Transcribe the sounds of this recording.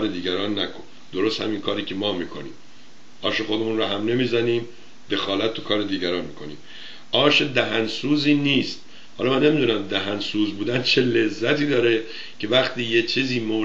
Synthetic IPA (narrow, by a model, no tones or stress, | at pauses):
ɾed̪iːɟæɾɒːnːækʰon | d̪̥o̞ɾost̪hæ̰minkʰɒːɾiːcʰe̞mɒːmiːkʰo̞̰nḭːm | ʔɒːʃexo̞d̪e̞munɾɒːɦæmne̞miːzæniːm | d̪e̞xɒːlæt̪̚ʰːukʰɒːɾed̪iːɟæɾɒːnmiːkʰo̞nḭːm | ʔɒːʃed̪æɦænsuːziːniːst̪̚ | hɒ̰lɒmænːe̞mid̪uːnæmd̪æɦænsuːzbuːd̪ænt͡ʃʰe̞le̞zːæt̪ʰiːd̪ɒːɾe | cʰe̞væχt̪ʰiːjet͡ʃʰiːziːmo